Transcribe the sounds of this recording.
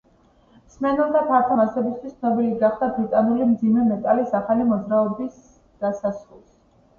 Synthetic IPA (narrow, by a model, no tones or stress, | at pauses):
msmɛnɛlˠmapʰaɾt̪ʰɔmasɛbist̪ʰwist̪snɔbiliɡaχd̪abɾit̪ʼanulimd̪zimɛmɛt̪ʼalisaχalimɔd̪zɾaɔbis | d̪̥asasɾulˠs